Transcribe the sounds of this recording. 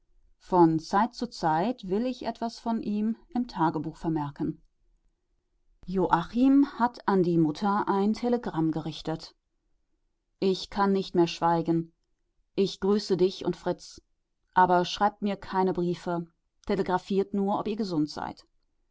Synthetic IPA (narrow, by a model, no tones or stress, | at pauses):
fɔnt͡saɪt̚t͡sut͡saɪtv̥ɪlɪçʔɛ̰tv̥asfɔnʔiːmʔɪmtʰaːɡəbuːxfɛɐmɛɐkn̩ | joʔaχimhatʰandiːmʊtʰɐʔaɪntʰeləɡʁamɡəʁɪçtət | ʔɪçkʰanːɪçtmeːɐʃv̥aɪɡn̩ | ʔɪçɡ̥ʁyːsədɪçʊ̰ntfʁ̥ɪt͡s | ʔaːbɐʃʁ̥aɪp̚tmiːɐkʰaɪnəbʁiːfə | tʰeləɡʁafiːɐtnuːɐʔɔpiːɐɡəzʊntz̥a̰ɪt